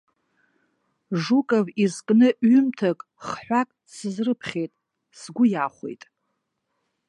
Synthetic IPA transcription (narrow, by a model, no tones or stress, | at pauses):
ʐukʼavizkʼnɨʔɥʏmtʰakʼ | χħʷakʼ | sɨzrɨpʰχʲejtʼ | sɡʷʊjaχʷḛjtʼ